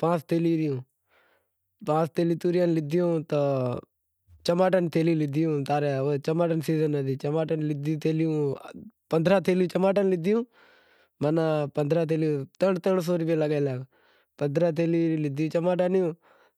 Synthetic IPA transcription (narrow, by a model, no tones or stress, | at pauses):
pãːst̪eːliːɾɪjũː | pãːst̪eːliːt̪uːɾɪjaːnlɪd̪ɪjũːt̪ə | t͡ʃəmaːʈənt̪eːlilɪd̪ɪjũːt̪aːɾeot͡ʃəmaːʈənsiːzənəd̪iːt͡ʃəmaːʈnlɪd̪t̪eːlɪjũːpənd̪ʱɾaːt̪eːlɪjũːt͡ʃəmaːʈənlɪd̪ɪjũː | manaːpənd̪ʱɾaːt̪̬eːlijũːt̪əɳt̪əɳs̬oːɾɪpeːləɡaːlaːɡ | pənd̪ɾaːt̪̬eːliːɾilɪd̪ɪjũːt͡ʃəmaːʈanɪjũː